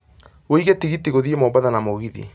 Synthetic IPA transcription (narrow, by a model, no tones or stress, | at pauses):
woiɣetiɣitiɣoðiemɔbaðanamoɣiðḭ